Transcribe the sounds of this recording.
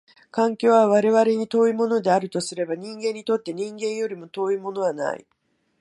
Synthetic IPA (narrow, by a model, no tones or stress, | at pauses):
kãŋkʲo̞ːβaβaɾe̞βaɾe̞ɲ̟it̪o̞ːimo̞no̞d̪e̞aɾɯ̟t̪o̞sɨɾe̞baɲ̟ĩŋɡẽ̞ɲ̟ːit̪o̞t̪ːe̞ɲ̟ĩŋɡẽ̞ɰ̃jo̞ɾʲimo̞t̪o̞ːimo̞no̞β̞ana̰ḭ